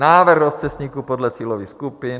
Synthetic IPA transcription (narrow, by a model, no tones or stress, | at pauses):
naːvrɣɾost͡sɛsɲiːkupodlɛt͡siːlovixskupin